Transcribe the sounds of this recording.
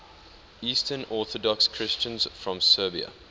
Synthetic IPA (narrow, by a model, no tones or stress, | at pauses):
iːstʰənɔˑθɔdɔkskʰɹɪst͡ʃə̃nz̥fɹɔ̃msɜːbiə̰